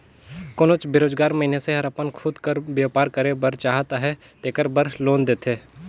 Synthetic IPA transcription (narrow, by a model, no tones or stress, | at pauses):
koːnʊt͡ʃbeɾoːd͡ʒɡaːɾməɦineseɦɐɾəpənkʰuːd̪kəɾbjaːpaːɾkəɾebəɾt͡ʃaːɦt̪aɦɛ | t̪eːkəɾbəɾloːnd̪eːt̪ʰeː